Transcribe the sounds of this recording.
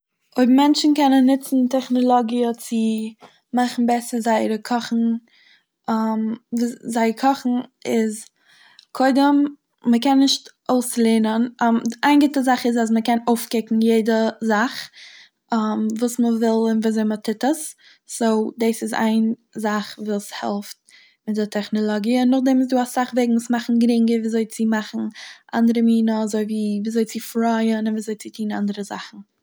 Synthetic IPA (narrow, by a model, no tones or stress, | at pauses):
oɪbmɛnt͡ʃn̩kɛnənːɪt͡sn̩tɛχnɔlˠɔɡiət͡sɪ | maχn̩bɛsəzaɪɾəkʰɔχn̩ | amvzaɪəɾkʰɔχn̩ɪz | kʰoɪdəmː | əkɛnːɪʃt | oʊslˠeːnənaaɪnɡɪtəzaχɪzas̬məkɛnoʊfkɪkŋ̩jeɪdəzaχ | amvuːsməvɪlˠɪnviːazoɪmətʰɪtəs | sodeːsɪza̰ɪnzaχvuːshɛ̰lˠft̚ | mɪt̚dətʰɛχnɔlˠɔɡiənːʊχdɛmɪs̬duːasaχvɛɡŋ̩usmaχn̩ɡɾɪŋɡəɾviːzoɪt͡sɪmaχn̩ʔa̰ndəɾəmiːnəazoɪviːviːzoɪt͡sɪfɾaɪənɪnviːzoɪt͡sɪtʰiːna̰ndəɾəza̰χn̩